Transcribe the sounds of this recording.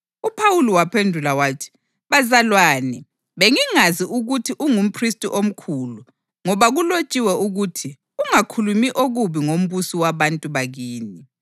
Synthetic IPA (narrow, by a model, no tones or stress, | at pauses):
upʰawuliwapʰendʱulawatʰi̥ | βazalwaːnɛ | βeŋiŋaziʔuɣutʰiʔuŋum̩pʰristʼuʔom̩kʰuːlu | ŋɔβaɣulot͡ʃʼiwɛuɣutʰi | uŋakʰulumiʔoɣuβiŋom̩βusiwaβantʼuβaɣiːni